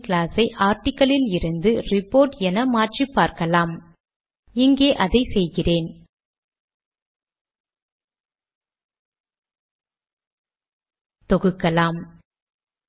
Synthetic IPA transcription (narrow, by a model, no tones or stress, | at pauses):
kɪlaːsɐɪʔaːɾʈɪkːɐlɪlɪɾɯnd̪ɯrɪpːoːɾʈɛnɐmaːʈripːaːɾkɐlaːm | ɪŋɡeːʔɐðɐɪsɛjɣɪreːn | t̪ɔɣɯkːɐlaːm